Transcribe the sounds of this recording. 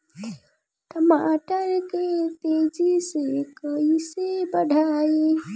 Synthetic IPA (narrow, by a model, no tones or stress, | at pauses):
ʈəmaːʈəɾket̪ed͡ʒisekəisebəɖʱaːje